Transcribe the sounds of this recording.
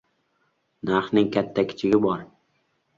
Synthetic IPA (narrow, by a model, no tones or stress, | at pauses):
naɾhnɪŋkʲʰat̪ʰːakʲʰɪ̥t͡ʃʰɪɡʲɪbɒɾ